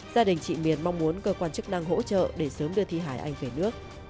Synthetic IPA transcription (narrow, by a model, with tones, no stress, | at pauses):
zaː˧ɗï˨˩ŋ̟t͡ɕḭ˧˨mi˨˩ənma˧wŋ͡mmu˨˦ənkəː˧kwaː˧nt͡ɕɨ˦˥k̚na˧ŋɦo̰˧˥t͡ɕə̰ː˧˨ɗe˧˩səː˨˦mɗɨ˧ət̪ʰi˧ɦaː˧˩jʔa˧jŋ̟ve˧˩nɨ˦˥ək̚